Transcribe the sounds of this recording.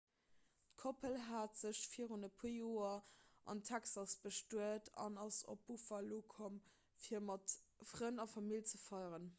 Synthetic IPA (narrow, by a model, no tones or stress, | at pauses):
tkʰopʰəlɦaːtz̥əɕfiəʁonɐpʰujoːɐʔɑ̰ntʰæksɑsb̥əʃtuətʰɑ̰nɑso̰p̚ːufɐlːoːkʰom | fiːɐmɑtfʁənɑfɑmilt͡səfɑɪʁən